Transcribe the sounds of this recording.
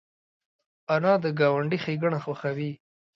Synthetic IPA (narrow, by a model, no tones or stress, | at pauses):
anɑd̪əɡɑwaɳɖixeɡəɳaxwaxawi